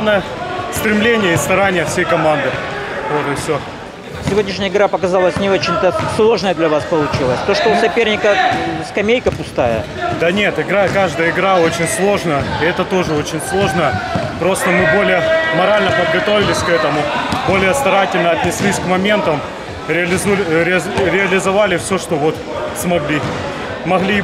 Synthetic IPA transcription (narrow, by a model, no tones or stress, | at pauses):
nəjəst̪ɾʲɪmlʲenʲɪjəɪst̪ɐɾanʲɪjəfsʲejkɐmand̪ɨvo̞t̪ɨfsʲo | sʲɪvʲo̞dʲnʲɪʂnʲɪjəɪɡɾapəkɐzalˠəsʲnʲɪo̞t͡ɕɪnʲt̪əslˠo̞ʐnəjəd̪lʲɐvaspəlˠʊt͡ɕilˠəsʲt̪oʂt̪osɐpʲernʲɪkəskɐmʲejkəpʊst̪ajə̰ | d̪ɐnʲe̞t̪ɪɡɾakaʐd̪əjəɪɡɾao̞t͡ɕɪnʲslˠo̞ʐnəjəɪɛt̪ət̪o̞ʐɨo̞t͡ɕɪnʲslˠo̞ʐnəjəpɾo̞st̪əmɨbo̞lʲɪjəmɐɾalʲnəpəd̪̚ɡɐt̪o̞vʲɪlʲɪsʲkɛt̪əmʊbo̞lʲɪjəst̪ɐɾatʲɪlʲnəɐt̪ʲnʲɪsʲlʲisʲkmɐmʲe̞nt̪əm | ɾʲɪɐlʲɪzulʲɾʲɪɾʲɪɐlʲɪzɐvalʲɪfsʲoʂt̪ovo̞t̪ | smɐɡlʲi | mɐɣlʲi